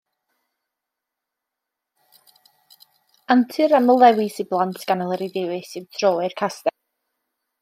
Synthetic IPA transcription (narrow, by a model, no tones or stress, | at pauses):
antʰɨɾaməlˠɛwɪsiblˠantʰɡ̥anɔlˠəɾiðɪwɨsɨmtʰroːɪrkʰastɛ